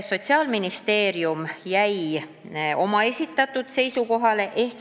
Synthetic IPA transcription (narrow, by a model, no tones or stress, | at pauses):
so̞t̪ʲsiɑːlminist̪e̞ːɾjumjæj | o̞mɑe̞sʲit̪ːˑɑt̪ːˑud̪̥se̞jsuko̞ɦɑle̞ʔe̞hk